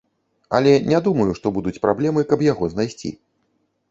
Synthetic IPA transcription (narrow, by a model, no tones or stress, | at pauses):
ɐ̰lʲɛnʲad̪umɐjuʂt̪ɔbud̪ut͡sʲpɾʔablʲɛmɨkɐbjaɣɔznajsʲt͡sʲḭ